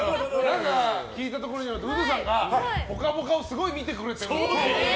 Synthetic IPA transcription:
nãŋkakʲiːt̪at̪o̞koɾo̞ɲ̟iaɾat̪ːeɯd̪os̬ãŋɡaho̞kamokao̞sɨɡo̞imʲit̪e̞kɯ̟ɾe̞t̪eɾ

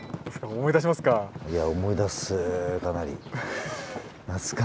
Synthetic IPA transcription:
sɨ̥kaomo̞id̪aɕ̬imasɨ̥kajaomo̞id̪asɨkanaɾʲḭ | nat͡sɨ̥ka

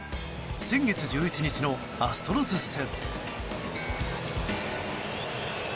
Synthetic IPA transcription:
sẽ̞ŋɡe̞t͡sɨʑɨːit͡ɕiɲit͡ɕino̞ | asɨ̥t̪o̞ɾozɨsːẽ̞m

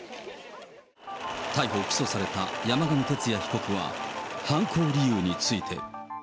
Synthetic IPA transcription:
t̪aiɦo̞ːkʲi̥so̞saɾe̞t̪ajamaɡamɯt̪e̞t͡sɨjaçi̥ko̞kɯ̟βa̰hãŋkʰoːɾʲijɯ̟ːɲ̟it͡sɨit̪ʰe̞̰

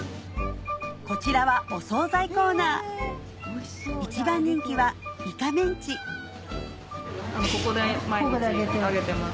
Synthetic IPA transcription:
ko̞t͡ɕiɾaβaʔo̞so̞ːzaiko̞ːnaː | it͡ɕibãɲ̟ːĩŋkʲiβamʲikamẽɲ̟t͡ɕi | anokokod̪emaoɡod̪eaɡet̪eaɡet̪ema

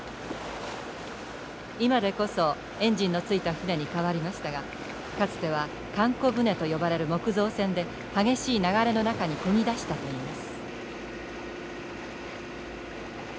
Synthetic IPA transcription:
imad̪e̞ko̞so̞ | ẽ̞ɲ̟d͡ʑĩnːo̞t͡sɨit̪aɸɯ̟ne̞ɲ̟ikaβaɾʲimaɕi̥t̪aɡa | kat͡sɨ̥t̪e̞β̞a | kãŋko̞bɯ̟ne̞t̪o̞jo̞baɾe̞ɾɯ̟mo̞kɯ̟zo̞ːsẽ̞nd̪e̞ | haɡe̞ɕiːnaɡaɾe̞no̞nakaɲ̟ikoid̪aɕi̥t̪at̪o̞iːmasɨ̥

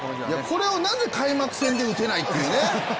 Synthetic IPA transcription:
jako̞ɾe̞o̞nãnd̪ekaimakɯ̟̥sẽ̞nd̪e̞ɯ̟ke̞nait̪ːeɯːne

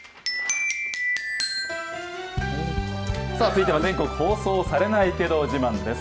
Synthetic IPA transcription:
saːt͡sɨit̪e̞βazẽ̞ŋko̞kɯ̟ho̞ːso̞ːsaɾe̞naike̞d̪o̞d͡ʑimãnd̪e̞s

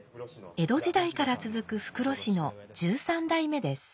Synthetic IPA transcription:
e̞d̪o̞ʑid̪aikaɾat͡sɨzɨkɯ̟ɸɯ̟̥kɯ̟ɾo̞ɕino̞d͡ʑɨːsãnd̪aime̞d̪e̞sɨ̥

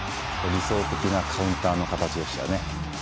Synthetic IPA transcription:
koɾʲiso̞ːt̪e̞kʲinakʰaɯ̟̃nt̪aːno̞kat̪at͡ɕioɕija̰ne

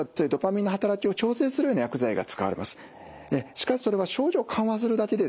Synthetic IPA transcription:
t̪ojɯ̟d̪o̞pamʲĩnːoɦat̪aɾakʲio̞t͡ɕo̞ːse̞ːsɨɾɯjo̞najakɯ̟zaiɡa̰t͡sɨ̥ka̰βa̰ɾe̞̰ma̰sɨ̥ | eɕi̥kaɕi̥soɾe̞β̞aɕo̞ːʑo̞ːkʰãɰ̃βas̬ɨɾɯ̟d̪ake̞d̪e̞

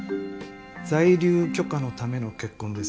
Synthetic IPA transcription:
zaiɾʲɨːkʲo̞kano̞t̪ame̞no̞ke̞kːõnd̪e̞s

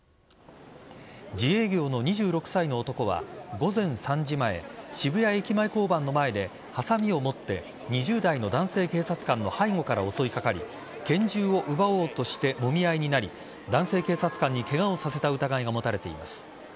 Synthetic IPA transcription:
d͡ʑie̞ːɡʲo̞ːno̞ɲ̟iʑɨːɾo̞kɯ̟̥saino̞ːt̪o̞ko̞βa̰ɡo̞zẽ̞ɰ̃sãɲ̟d͡ʑimae̞̰ɕibɯ̟jaekʲimaiko̞ːbãnːo̞mae̞d̪e̞ | hasamʲio̞mo̞t̪ːe̞̰ | ɲ̟iʑɨːd̪aino̞d̪ãɰ̃se̞ːke̞ːsat͡sɨ̥kãnːo̞haiŋo̞kaɾao̞so̞ikakaɾʲḭ | kẽ̞ɲ̟d͡ʑɨːo̞ʔɯ̟bao̞ːt̪o̞ɕi̥t̪e̞mo̞mʲiaiɲ̟inaɾʲi | d̪ãɰ̃se̞ːke̞ːsat͡sɨ̥kãɲ̟ːike̞ɡaosase̞t̪aɯ̟t̪aɡaiɡamo̞t̪aɾe̞t̪e̞ḭma̰sɨ̥

